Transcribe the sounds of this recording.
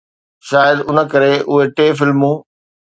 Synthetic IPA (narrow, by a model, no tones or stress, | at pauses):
ʃaːjəd̪ʊnə̆kɐɾeʔʊɦeʈeːfɪlmũː